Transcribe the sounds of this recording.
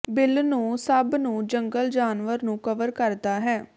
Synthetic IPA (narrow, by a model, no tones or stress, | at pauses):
bɪlnũːsəbnũːd͡ʒəŋɡəld͡ʒaːnʋəɾnũːkəʋəɾkəɾd̪aːɦɛː